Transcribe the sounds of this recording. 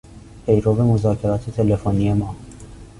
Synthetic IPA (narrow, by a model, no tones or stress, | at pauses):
hejɾovemuzakʲeɾat̪et̪elefonijema